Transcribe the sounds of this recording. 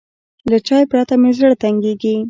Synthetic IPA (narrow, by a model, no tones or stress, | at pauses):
lat͡ʃɑjpɾat̪amezəɽt̪aŋɡeɡi